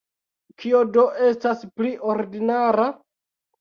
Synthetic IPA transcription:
kʰiodo̞ʔe̞staspliʔo̞ɾdinaɾa

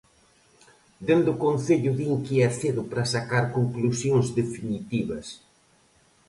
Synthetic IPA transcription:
d̪end̪ʊkonθeʎʊðiŋkiɛθeðʊpɾɐsakaɾkoŋklusjoŋzðefinit̪iβɐs

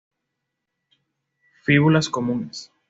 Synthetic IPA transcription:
fiɣulaskomũnes

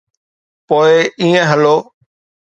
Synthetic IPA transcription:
poːeiːẽɦəloː

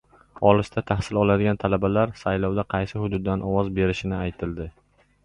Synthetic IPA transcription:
ɒlɪʃt̪ʰat̪ʰahsɪlɒlˠad̪ɪɡʲant̪ʰalabalaɾsajlɒwd̪aqʰɑjsɪhʊd̪ʊd̪ːanʔɒwɒzbe̞ɾɪʃɪnɪajt̪ʰɪld̪ɪ

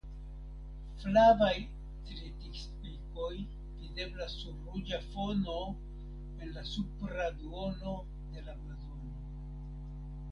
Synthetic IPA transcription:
flavaj | tɾitikspiko̞j | vide̞blasːuɾːud͡ʒafo̞no̞ | e̞nlasupɾaduo̞no̞ | de̞laplazo̞noo

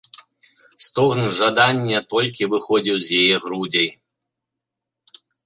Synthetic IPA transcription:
st̪ɔɣnʐad̪anʲːɛt̪ɔlʲkʲivɨxɔd͡zʲiwzjajɛɣɾud͡zʲɐj

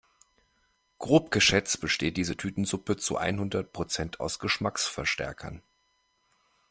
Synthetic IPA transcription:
ɡ̥ʁoːp̚ɡ̥əʃɛt͡st̚b̥əʃteːt̚d̥iːzətʰyːtn̩zʊpət͡sṵʔa̰ɪnhʊndɐt̚pʁ̥ot͡sɛntʰa̰ʊsɡ̥əʃmaksfɛɐʃtɛ̰ɐkʰɐ̰n

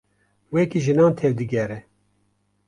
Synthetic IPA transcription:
wɛkiʒɨnɑːnt̪ʰevd̪ɨɡɛɾɛ

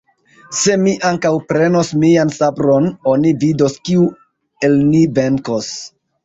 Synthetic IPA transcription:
se̞miʔaŋkawpɾe̞no̞smiansabɾo̞no̞nivido̞skiu | e̞lnive̞ŋkos

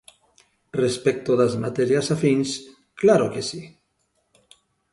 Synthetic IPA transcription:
respek̚t̪oðazmat̪eɾjasafins | klaɾokesi

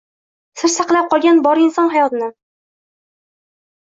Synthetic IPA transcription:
sɪɾsaqlˠap̚qʰɒlˠɡʲanbɒɾɪnsɒnɦajɒt̪ɪnɪ

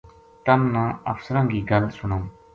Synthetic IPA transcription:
t̪əmnãːə̰fsəɾãːɡiːɡəlsʊɳoː

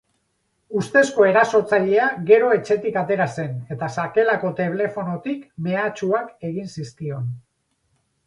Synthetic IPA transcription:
ust̪e̞sko̞e̞ɾaso̞t͡saʎe̞aɡe̞ɾo̞e̞t͡ʃe̞t̪ikat̪e̞ɾase̞ne̞t̪asake̞lako̞t̪e̞β̞le̞fo̞no̞t̪ikme̞at͡ʃuake̞ɣ̞insiskio̞n

